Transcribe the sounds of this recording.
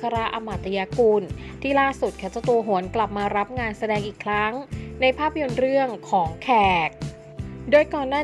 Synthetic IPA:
kʰa˧ɾa˦˥ʔa˧ma˨˩t̪ːa˧jaː˧kuː˧nt̪ʰiː˥˩laː˥˩su˨˩t̪̚kʰa˨˩t͡ɕa˧t̪u˧ɦu˩˦ənkla˨˩p̚maː˧ɾa˦˥p̚ŋaː˧nsa˧dɛː˧ŋʔiː˨˩kʰɾa˦˥ŋna˧jpʰaː˥˩pʰːa˧jo˧nɾɯ˥˩əŋkʰɔː˩˦ŋkʰɛː˨˩k̚ | doː˧jkɔː˨˩nːaː˥˩

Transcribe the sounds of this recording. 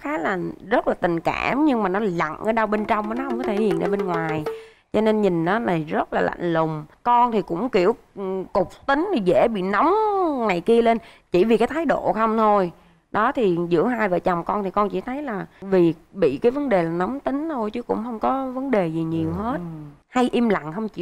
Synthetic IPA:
xaː˨˦la˨˩˨ŋzə˦˥t̚laː˨˩t̪ï˨˩ŋ̟ka̰ː˧˩mɲɨ˧ŋmaː˨˩nɔ˨˦la̰˧˨ŋʔəː˧˦ɗa˧wɓe˧nt͡ɕɔ˧wŋ͡mʔəː˨˦nɔ˨˦hə˧wŋ͡mkɔ˨˦t̪ʰe˧˩hḭ˧˨ənɗa̰˧˩ɓe˧nŋwaː˨˩j | t͡ɕɔ˧ne˧nɲi˨˩ŋ̟ʔa˨˦na˨˩zə˦˥t̚laː˨˩la̰˧˨ŋ̟lʊ˨˩ŋ͡mkɔ˧nt̪ʰi˨˩kʊ̰˧˥ŋ͡mki˧˩əw | kʊ˨˩k͡p̚t̪ï˨˦ŋ̟t̪ʰi˨˩zḛ˧˥ɓḭ˧˨na˨˦wŋ͡mŋa˨˩jki˧əle˧n | t͡ɕi˧˩vi˨˩kaː˨˦jt̪ʰaː˨˦jɗo̰˧˨xə˧wŋ͡mt̪ʰo˧j | ɗɔ˨˦t̪ʰi˨˩zɨ̰˧˥əhaː˧jvə̰ː˧˨t͡ɕa˨˩wŋ͡mkɔ˧nt̪ʰi˨˩kɔ˧nt͡ɕḭ˧˩t̪ʰə˨˦jlaː˨˩vi˨˩ɓḭ˧˨kaː˨˦jvə˨˦nɗe˨˩laː˨˩nɔ˨˦wŋ͡mt̪ï˨˦ŋ̟t̪ʰo˧jt͡ɕɨ˨˦kʊ̰˧˥ŋ͡mhə˧wŋ͡mkɔ˨˦və˨˦nɗe˨˩zi˨˩ɲi˨˩əwɦe˦˥t̚ha˧jʔi˧mla̰˧˨ŋhə˧wŋ͡mt͡ɕḭ˧˨

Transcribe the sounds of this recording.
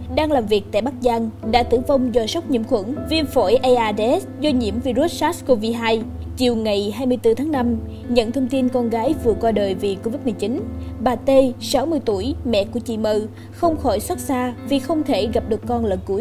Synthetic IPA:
ɗaː˧ŋlaː˨˩mvi˨˩ək̚t̪a̰ː˧˨jɓa˦˥k̚za˧ŋɗa̰ː˧˥t̪ɨ˧˩əŋvə˧wŋ͡mzɔ˧˩jsə˦˥wk͡p̚ɲḭ˧əxwə̰˧˥nvi˧ənfo̰˧˩jʔa˧ʔaː˧ɗszɔ˧ɲḭ˧˥əmvi˧zu˦˥t̚saː˦˥sko˧vi˧ɦaː˧j | t͡ɕi˨˩əwŋa˨˩jɦaː˧jmɨ˧jt̪ɨ˧t̪ʰaː˨˦ŋna˧m | ɲə̰˧˥˨nt̪ʰə˧wŋ͡mt̪i˧nkɔ˧nɣaː˨˦jvɨ˨˩əkwaː˧ɗəː˨˩jvi˨˩ko˧vi˦˥t̚mɨ˨˩jt͡ɕi˨˦nɓaː˨˩t̪e˧sa˨˦wmɨ˧əjt̪u˧˩əjmɛ̰˧˨ku˧˩ət͡ɕḭ˧˨mə˨˩ | xə˧wŋ͡mxɔ˧˩jswa˦˥t̚saː˧vi˨˩xə˧wŋ͡mt̪ʰe˧˩ɣa˨˩p̚ɗɨ˨˩əkːɔ˧nlə˨˩nku˧˩əj

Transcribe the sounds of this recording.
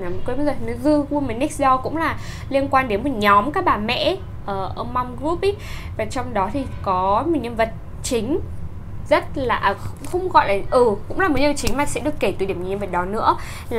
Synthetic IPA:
a˨˩m˨˩kwɓə˧˦zəː˨˩˨nɨ˨˦zɨ˧ɣu˧əmə˨˩nɛ˦˥k̚sɗɔ˧kʊ̰˧˥ŋ͡mlaː˨˩ | li˧ənkwaː˧nɗe˨˦nmo˨˩t̚ɲɔ˨˦mkaː˦˥k̚ɓaː˨˩mɛ̰˧˥ | ʔəː˧˩ʔə˧ma˧wŋ͡mɣɾu˦˥p̚ʔi˦˥vaː˨˩t͡ɕɔ˧wŋ͡mɗɔ˨˦t̪ʰi˨˩kɔ˨˦mo˨˩ɲə˧nvə˨˩t̚ | t͡ɕï˨˦ŋ̟ | zə˦˥t̚laː˨˩˨xŋ͡mxə˧wŋ͡mɣɔ̰˧˨jlaː˨˩ʔɨ˨˩kʊ̰˧˥ŋ͡mlaː˨˩mo˨˩˦ɲə˧˩t͡ɕï˨˦ŋmaː˨˩sɛ̰˧˥ɗɨ˨˩əkːe˧˩t̪ɗi˧˩əm˨˩ɲə˧və˨˩t̚ɗɔ˨˦nɨ̰˧˥ə | lː

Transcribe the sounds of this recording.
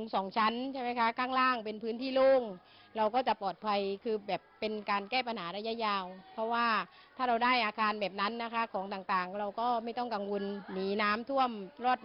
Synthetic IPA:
ŋsɔː˨˩˦ŋt͡ɕʰa˦˥nt͡ɕʰa˥˩jma˥˩kʰa˦˥kʰaː˥˩ŋlaː˥˩ŋpe˧npʰɯː˦˥nt̪ʰiː˥˩loː˥˩ŋ | ɾa˧wkɔː˥˩t͡ɕa˨˩pɔː˨˩t̪̚pʰa˧jkʰɯː˧bɛː˨˩pːe˧nkaː˧nkɛː˥˩pa˧nhaː˩˦ɾa˧ja˦˥˨jaː˧wpʰɔ˦˥waː˥˩ | t̪ʰaː˥˩ɾa˧wdaː˥˩jʔaː˧kʰaː˧nbɛː˨˩p̚na˦˥nːa˦˥kʰa˦˥kʰɔː˩˦ŋt̪aː˨˩ŋt̪aː˨˩ŋɾa˧wkɔː˥˩ma˥˩jt̪ɔ˥˩ŋka˧ŋwo˧nːiː˨˦naː˦˥mt̪ʰu˥˩əmɾɔː˥˩t̪̚

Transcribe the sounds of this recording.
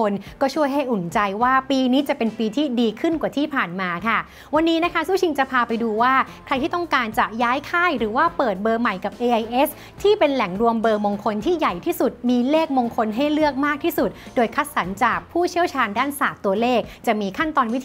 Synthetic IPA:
o˧nkɔː˥˩t͡ɕʰu˥˩əjɦa˥˩jʔu˨˩nt͡ɕa˧jwaː˥˩piː˧niː˦˥t͡ɕa˨˩pe˧npiː˧t̪ʰiː˥˩diː˧kʰɯ˥˩nkwa˨˩t̪ʰiː˥˩pʰaː˨˩nmaː˧kʰa˥˩ | wa˧nːiː˦˥na˦˥kʰa˦˥suː˥˩t͡ɕʰi˧ŋt͡ɕa˨˩pʰaː˧pa˧jduː˧waː˥˩kʰɾa˧jt̪ʰiː˥˩t̪ɔ˥˩ŋkaː˧nt͡ɕa˨˩ʔjaː˦˥jkʰaː˥˩jɾɯː˩˦waː˥˩pɤː˨˩t̪̚bɤː˧ma˨˩jka˨˩p̚ʔeː˧ʔa˧jʔe˦˥s | t̪ʰiː˥˩pe˧nlɛ˨˩˦ŋɾu˧əmbɤː˧mo˧ŋkʰo˧nt̪ʰiː˥˩ja˨˩jt̪ʰiː˥˩su˨˩t̪̚miː˧leː˥˩k̚mo˧ŋkʰo˧nɦa˥˩jlɯ˥˩ək̚maː˥˩k̚t̪ʰiː˥˩su˨˩t̪̚doː˧jkʰa˦˥t̪̚sa˩˦nt͡ɕaː˨˩k̚pʰuː˥˩t͡ɕʰi˥˩əwt͡ɕʰaː˧ndaː˥˩nsaː˨˩k̚t̪u˧ɐleː˥˩k̚t͡ɕa˨˩miː˧kʰa˥˩nt̪ɔː˧nwi˦˥t̪ʰ

